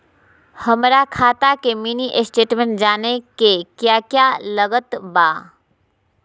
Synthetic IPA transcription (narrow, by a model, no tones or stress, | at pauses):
həmɾakʰaːt̪akeminiʔɪsʈeːʈmẽɳʈd͡ʒaːnekekjaːkjaləɡət̪baː